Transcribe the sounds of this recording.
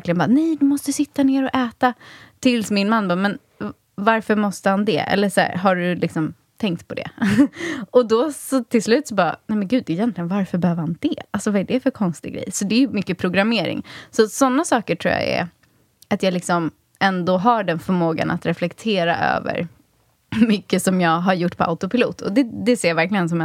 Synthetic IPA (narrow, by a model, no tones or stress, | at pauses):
ɾklɪɡənbɑːnɛjd̪ɵmɔst̪əsɪt̪ːaneːɾɔʔɛːt̪at̪ʰɪlsmɪnmanːbɑːmɛn | vaɾfœɾmɔst̪əhand̪ɛ̰ʔɛ̰lːəʂæ̰ːɾɦaɖɵlɪksɔm | t̪ʰɛŋk̚t̪pʰɔd̪ɛ̰ | ɔd̪ɔsɔt̪ʰɪlslʉ̟ːt̪sɔbɑːnɛjmɛnɡʉ̟ːd̪ɛɪjɛnt̪lɪɡənvaɾfœɾbɛhøːvəɾhand̪ɛʔalsɔvaɛɖɛfœɾkʰɔnst̪ɪɡɡɾḛjsɔd̪ɛːjɵmʏkːəpʰɾʊɡɾameːɾɪ̰ŋsɔsɔnːasɑːkəʈʰɾṵːja̰ɛ̰ | at̪jɑːlɪksɔm | ʔɛnd̪oɦaɖɛnfœɾmoːɡa̰nʔa̰t̪ɾɛflɛkt̪ʰeːɾa̰ʔø̰ːvə̰ɾ | mʏkːəsɔmjɑːɡɦaɾjʊʈːpʰɔʔa̰ʊt̪ʊpɪlṵːt̪ʰɔ̰d̪ɛd̪ɛseːɾjavæɾklɪɡəns̬ɔmɛ